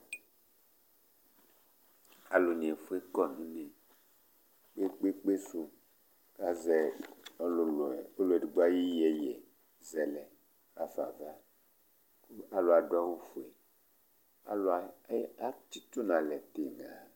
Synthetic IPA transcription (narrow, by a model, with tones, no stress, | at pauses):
a˨lo˨nĩ˨e˨fu˦e˦kɔ˦nĩ˨˦ne˨ | k͡pe˦k͡pe˦k͡pe˦su˨ | ka˨zɛ˨ | o˦lo˨ɛ˨di˨ɡ͡ba˦ji˦jɛ˨jɛ˨ | zɛ˨lɛ˨ | ka˨fa̰˨va˦ | a˨lo˨a˨dwa˦wo˦fe˨ | a̰˨la˦t͡ʃi˦t̪o˦nã˨lɛ˨t̪e˨ŋa˨